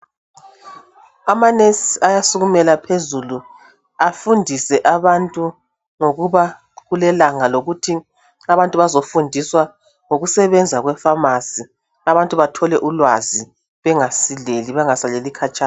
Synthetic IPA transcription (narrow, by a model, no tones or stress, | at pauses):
amanesiajasuɣumɛlapʰezulu | afundʱisɛʔaβantʼu | ŋoɣuβa | ɣulɛlaŋaloɣutʰi | aβantʼuβazofundʱiswa | ŋoɣusɛβɛnd͡zʱaɣwɛfamasi | aβantʼuβatʰɔlɛʔulwazi | βɛŋasileliβɛŋasalelikʰat͡ʃʼa